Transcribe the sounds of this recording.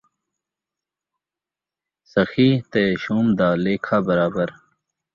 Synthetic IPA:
sɐxiːt̪eːɕuːmd̪aːleːkʰaːbɐɾaːbəɾ

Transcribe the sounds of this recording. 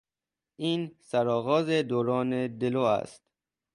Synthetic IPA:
ʔiːnsæɾɒːɣɒːzed̪oːɾɒːned̪eloːæ̰st̪

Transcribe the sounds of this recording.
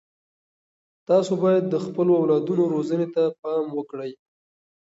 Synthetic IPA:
t̪ɑsobɑjad̪ːəxpəloawlɑd̪unoɾozənet̪apɑmwəkɽəj

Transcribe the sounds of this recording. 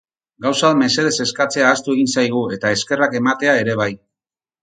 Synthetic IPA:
ɡawsame̞se̞ð̞e̞se̞skat͡se̞aːst̪ue̞ɣ̞insajɣ̞ue̞t̪ae̞ske̞rake̞mat̪e̞ae̞ɾe̞β̞aj

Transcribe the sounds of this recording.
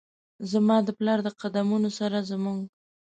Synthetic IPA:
zamɑd̪əplɑɾd̪əqad̪amunosaɾazəmuŋɡ

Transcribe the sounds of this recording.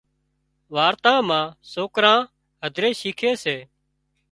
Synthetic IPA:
ʋaːɾt̪ãːmãːsoːkɾãː | ɦəd̪ʱɾeːʃiːkʰeːseː

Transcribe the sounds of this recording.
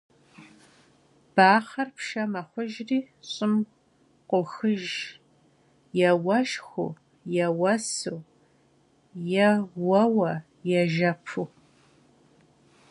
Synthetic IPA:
b̥aːχɐrpʃɐmɐχʷʊʒriː | ɕʼɪm | qʷʊxɨʒ | jɛwɐʃxʷʊ̰ | jɛwɐsɨw | jɛwɐwɐ | jɛʒɐpʰu

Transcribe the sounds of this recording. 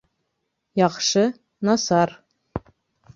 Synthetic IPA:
jɑχʃɤ | nɑsɑr

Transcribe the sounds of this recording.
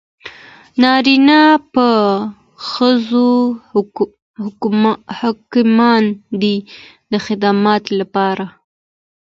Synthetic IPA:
nɑɾinapə | xəzo | hhɑkɪmɑnd̪i | d̪əxɪd̪ɑmɑt̪lapɑɾa

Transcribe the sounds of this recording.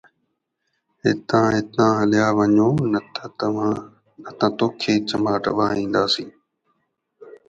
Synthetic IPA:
ɦɪ̰t̪ãːɦɪt̪ãːɦəlɪjaːʋəɲoːnət̪ʰːã | nət̪ãːt̪oːkʰeːt͡ʃəmaːʈə̰ʋaːĩːnd̪aːsĩː

